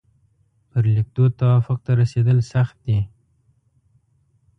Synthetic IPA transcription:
pəɾlɪk̚d̪ot̪awafʊq̚t̪aɾased̪əlsaxt̪̚d̪e

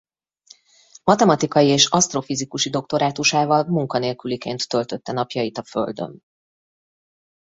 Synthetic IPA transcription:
mɒt̪ɛmɒt̪ikɒjieːʃɒst̪rofizikuʃid̪o̞k̚t̪o̞ɾaːt̪uʃaːvɒlmuŋkɒneːlkylikeːnt̪ːølt̪ø̞t̪ːɛnɒpjɒjit̪ɒfø̞̰ld̪ø̰n

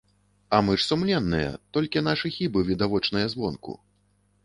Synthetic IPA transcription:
ɐmɨʂsumlʲɛnːɨjɐ̰t̪ɔlʲkʲin̪aʂɨxʲibɨvʲid̪avɔt͡ʂnɐjɐzvɔnkṵ

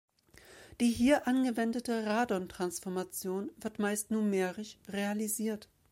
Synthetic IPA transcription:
d̥iːɦiːɐʔanɡəvɛndətəʁaːdɔntʁ̥ansfɔɐmat͡sjoːnvɪɐtmaɪstnuːɐmeːʁɪçʁealiziːɐt

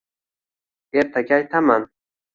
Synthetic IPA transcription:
eɾt̪ʰaɡʲaːjt̪ʰaman

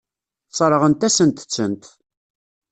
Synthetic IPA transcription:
t͡sːˤɾˤəʁənt̪æsənt̪ə̥t͡sːənt̪

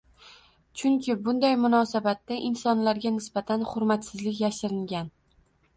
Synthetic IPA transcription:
t͡ʃʰʊŋkʲʰɪbʊnd̪ajmʊnɒsabat̪ːaʔɪnsɒnlaɾɡʲanɪsbat̪ʰanχʊɾmat̪sɪzlɪkʲjaʃɪɾɪŋɡʲan

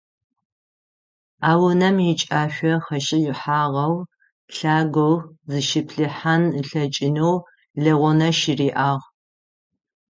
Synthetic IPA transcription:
aːwʊnɐmjɪt͡ʃʼaːʃʷɔχɐɕʼɪjɪħaːʁɐw | ɬaːɡʷowzɨʃɪpʰɬɨħanɬɐt͡ʃʼɪnɐw | ɮɐʁʷɔnɐʃiriːʔaːʁ

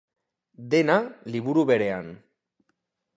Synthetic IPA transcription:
d̪e̞naliβuɾuβe̞ɾe̞an

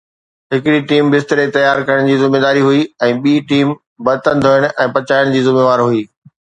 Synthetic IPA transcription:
ɦɪkɪɽiʈiːmbɪst̪əɾet̪ɐjaːɾkɐɾəɽ̃d͡ʑiːzɪmeːd̪aːɾiɦʊiɛ̃ːɓiːʈiːm | bɐt̪ə̃nd̪ʱoːɪɽ̃ʔɛ̃ːpɐt͡ɕaːɪɽ̃d͡ʑiːzɪmeːʋaːɾɦʊiː

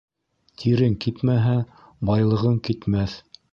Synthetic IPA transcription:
t̪ʰiɾɘŋkit̪mæɦæ | bɑjlˠɤ̆ʁɤŋkit̪mæθ

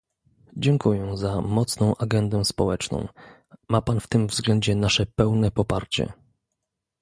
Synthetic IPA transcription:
d͡ʑɛŋkujɛzamɔt̪snɔ̃w̃ʔaɡɛnd̪ɛ̃spɔwɛt͡ʂnɔ̰̃w̃ | mapanft̪ɘmvzɡlɛɲd͡ʑɛnaʂɛpɛwnɛpɔpaɾt͡ɕɛ̰

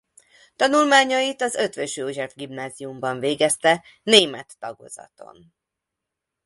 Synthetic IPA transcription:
t̪ɒnulmaːɲɒjit̪ɒzø̞t̪ʋøʃoʒɛvɡimnaːzijumbɒɱveːɡɛst̪ɛ | neːmɛt̪ːɒɡo̞̰zɒ̰t̪o̞̰n

